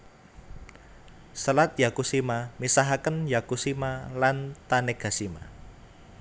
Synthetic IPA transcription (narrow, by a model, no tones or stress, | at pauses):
səlat̪̚jakusimamisaɦakənjakusimalant̪anɛɡ̥a̤sima̰